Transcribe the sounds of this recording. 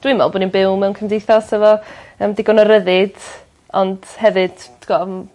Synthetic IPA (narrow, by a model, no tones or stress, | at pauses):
d̥wɨmɔ̰lˠboːninbɪwmɛwnkʰəmdejθɔsɛvɔəːmdɪɡɔnɔɾəðɨd̥ | ɔnd̥hɛvɨd̥ɡ̥ɔm